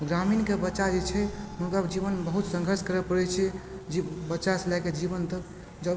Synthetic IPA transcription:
ɡɾaminkebətːʃad͡ʒet͡ʃʰɛɦunkad͡ʒiβənbəɦut̪sə̃ŋɡʱəɾskəɾəpəɽɛt͡ʃʰɛ | d͡ʒibətːʃaselaked͡ʒibənt̪ə | d͡ʒə

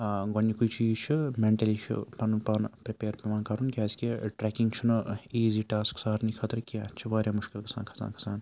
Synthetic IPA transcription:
ɡonːikuit͡ʃiːzt͡ʃʰimeɳʈɐlit͡ʃʰḭpɐnpɐnpɾepeːɾpɐmãːnkɐɾunkʲaːskeʈɾɛkiŋɡt͡ʃʰunɨiːziːʈaːsksaːɾnikʰɐt̪ɾkʲaːt͡ʃʰiʋaːɾʲjãːmʊʃkilkɐ̥sa̰ːnkʰɐ̥sa̰ːnkʰɐ̥saːn

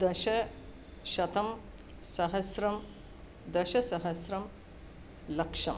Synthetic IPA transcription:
d̪ɐʃɐ | ʃɐt̪ɐm | sɐɦɐsɾɐm | d̪ɐʃɐsɐɦɐsɾɐm | lɐkʂɐm

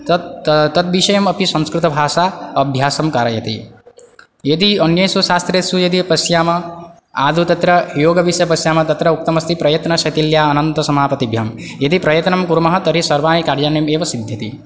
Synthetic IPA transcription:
t̪ɐt̪̚ʋiʃɐjɐmɐpisɐ̃nskɾɪt̪ɐbʱaːʃaːɐbʱjaːsɐmkaːɾɐjɐt̪ḭ | jed̪iɐnjɐjsuʃaːst̪ɾet̪sujed̪ipɐsjaːmɐ | aːd̪ʱut̪ɐt̪ɾɐjoːɡɐʋisjɐpɐsjaːmɐt̪ɐt̪ɾɐuk̚t̪ɐmɐst̪ʰipɾɐjɐt̪nɐʃɐt̪iljaːɐnɐnt̪ɐsɐmaːpɐt̪ibʱjam | jed̪ipɾɐjɐt̪nɐmkuɾmɐɦɐt̪ɐɾisɐɾʋaːnikaɾd͡ʒaːnemeːʋɐsid̪ʱjɐt̪ḭ

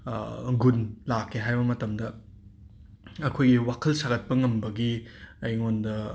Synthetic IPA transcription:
ɡunlakʰːeɦajbɐmɐtɐmdɐ | ɐkʰojɡiwakʰɐlsaɡɐt̚pɐŋɐmbɐɡiɐjŋondɐ

